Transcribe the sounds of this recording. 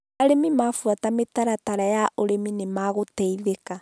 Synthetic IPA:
aɾemimafuatametaɾataɾajaʔoɾeminemaɣotɛiðeka

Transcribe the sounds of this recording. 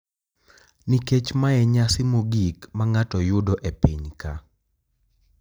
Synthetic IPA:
niket͡ʃmaɛɲasɪmuɡikmaŋatɔjʊdɔʔepiɲka

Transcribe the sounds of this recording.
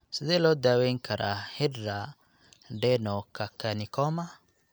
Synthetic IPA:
sidelɔd̪aweŋkʰaɾʔahiɾa | ɖɛnɔkakanikɔma

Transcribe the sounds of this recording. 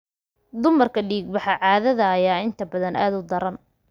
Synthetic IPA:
d̪ʊmɐrkʰɐɖiːɡ̚bɑħɑʕɑːðɐðɐːjaːɪnt̪ʰɐbɐðɐnʔa̰ːd̪ʊd̪ɐɾɐn

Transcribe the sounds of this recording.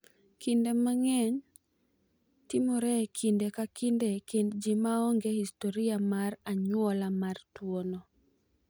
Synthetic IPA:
kindemaŋɛɲ | timɔɾɛkʰindekakindekindd͡ʒimaɔŋɡehistoɾiamaraɲwɔlamartwono

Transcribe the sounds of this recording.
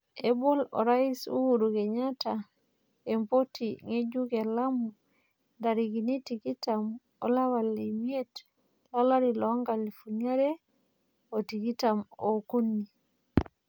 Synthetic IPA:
ɛbɔlɔ̰ɾaisṵwuɾuɡɛɲata | ɛmpotiŋed͡ʒuɡɛlamu | ndaɾiɡinitikitam | ɔ̰lawalimiet | lalaɾilɔŋɡalifuɲaɾɛ | otikitamokunːi

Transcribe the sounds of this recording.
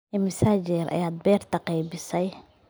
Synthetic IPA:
ɛmɐsaːd͡ʒɛɾʔɐ̰jaːd̪̚bɛːrt̪ʰɐqɛjbɪsɛj

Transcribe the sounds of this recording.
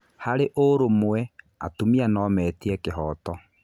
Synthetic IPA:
haɾeʔoɾomwɛ | a̰tumianɔmɛtiɛkeɦɔtɔ

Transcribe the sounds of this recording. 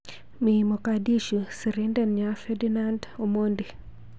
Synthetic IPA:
mimokadiʃusiɾindɛnɲafedinandomondi

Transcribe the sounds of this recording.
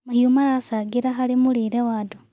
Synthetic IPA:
mahjumaɾasaɡiɾaxalimuliɾewado

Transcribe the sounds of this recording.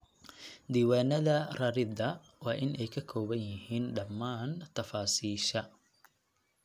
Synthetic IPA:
d̪iːwaːnɐðɐrɐɾɪd̪ɐ | waːʔɪnʔɛjkʰɐkʰɔːbɐnjɪhiːnɖɐmːaːnt̪ɐfaːsiːʃɐ

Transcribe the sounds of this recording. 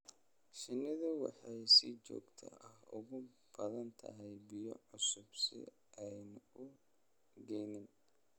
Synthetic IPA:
ʃɪnɪðʊwɑ̰ħɑjsɪt͡ʃɔ̰ːɡt̪ʰɐ̰ʔɐhʊ̰ɣʊ | b̥ɐðɐnt̪ʰɐ̰ɦɛjbɪjɔ̰ʕʊsʊb̥sɪ̰ | ʔɛjnʊ | ɡɛjnɪn

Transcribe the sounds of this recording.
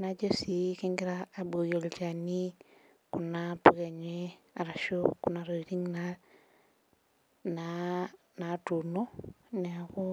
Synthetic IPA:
nad͡ʒesikiŋɡiɾaːbojolt͡ʃani | kunapuɡeɲeaɾaʃokunaɾoɾiŋna | na | natunoneaku

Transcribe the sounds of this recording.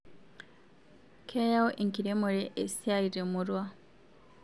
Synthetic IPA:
kʰejaoʔiŋkiɾemuɾeʔesiaiɾemuɾwa

